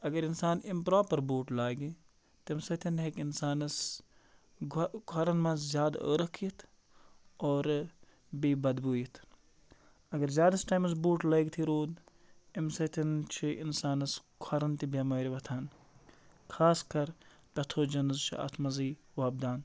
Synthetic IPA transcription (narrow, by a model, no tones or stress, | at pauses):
ɐɡɐɾinsaːnimpɾaːpɐɾbuːʈlaːɡi | t̪imsɐt̪ʰinɦekinsaːnɐs | kʰɐɾɐnmɐ̃zʲjaːd̪ə̰ːɾɐkʰiit̪ʰ | oːɾ | biːbɐd̪buːjit̪ʰ | ɐɡɐɾzʲjaːd̪ɐsʈaːjmɐs̬buːʈlɐːɡt̪ʰiɾoːd̪ | imsɐt̪ʰint͡ʃʰiʔḭnsaːnɐskʰɐɾɐnt̪ibɐmɐːɾiʋɐt̪ʰaːn | kʰaːskɐɾ | ʈɐt̪ʰoːd͡ʒɐnɐzt͡ʃʰḭɐ̰t̪ʰmɐziːʋaːb̚d̪aːn